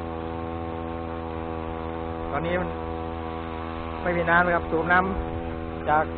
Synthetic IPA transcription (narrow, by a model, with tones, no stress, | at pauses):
t̪ɔː˧nːiː˦˥ | ma˥˩jpʰiː˧˩naː˦˥˨nla˧kʰa˦˥p̚suː˨˩p̚na˦˥m | t͡ɕaː˨˩k̚